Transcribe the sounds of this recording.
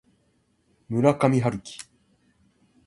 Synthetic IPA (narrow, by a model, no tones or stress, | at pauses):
mɯ̟ɾakamʲiɦaɾɯ̟kʲi̥